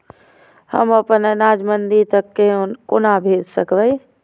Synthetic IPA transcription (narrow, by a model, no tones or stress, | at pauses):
hə̰mɐpənənaːd͡ʒmənd̪it̪əkːenkonabʱeːd͡ʒsəkʰʋəi